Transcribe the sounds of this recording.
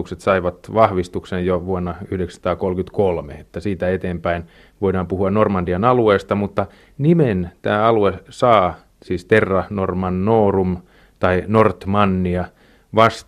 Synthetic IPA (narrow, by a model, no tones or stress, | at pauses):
ukset̪sɑiʋɑt̪ʋɑhʋist̪uksejjoʋuonːɑyhdekst̪ɑːkolkyt̪kolmḛet̪ːæsiːt̪æet̪eːmpæin | ʋoidɑːmpuhuɑnnormɑndiɑnɑlueːst̪ɑmut̪ːɑ | niment̪æːɑluesɑː | siːst̪erːɑnormɑnːoːrum | t̪ɑinort̪mɑnːiɑ | ʋɑst